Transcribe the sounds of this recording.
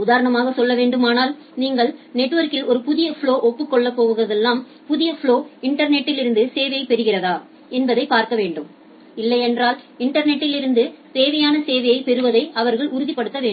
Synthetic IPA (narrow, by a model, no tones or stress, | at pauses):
ʊðaːɾɐɳɐmaːɣɐsɔlːɐʋeːɳɖɯmaːnaːl | niːŋɡɐɭnɛʈːʋɐɾkɪlɔɾɯpʊðɪjɐfɭoːʔɔpːɯkːɔɭːɐpːoːɣɯɣɪrɐðɛlːaːm | pʊðɪjɐfɭoːɪɳʈɐɾnɛʈːɪlɪɾɯnd̪ɯseːʋɐjɐɪpɛɾɯɣɪrɐðaː | ɛnbɐðɐɪpaːɾkɐʋeːɳɖɯm | ɪlːɐɪɛndraːlɪɳʈɐɾnɛʈːɪlɪɾɯnd̪ɯseːʋɐjaːnɐseːʋɐjɐɪpɛɾɯʋɐðɐɪʔɐʋɐɾɣɐɭʔʊɾʊðipːɐɽɯt̪ːɐʋeːɳ